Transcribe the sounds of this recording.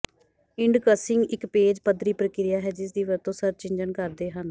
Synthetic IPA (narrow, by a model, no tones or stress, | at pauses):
ɪɳɖkəsɪŋɡɪkpeːd͡ʒpəd̪ɾiːpɾəkɪɾɪjaːɦɛːd͡ʒɪs̬d̪iːʋəɾt̪õːsəɾt͡ʃɪ̃ɲd͡ʒənkəɾd̪eːɦən